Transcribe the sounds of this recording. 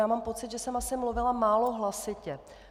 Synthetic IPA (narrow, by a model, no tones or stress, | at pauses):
aːmaːmpo̞t͡sɪd̪ʒɛsɛmasɪmluvɪlamaːloɦlasɪcɛ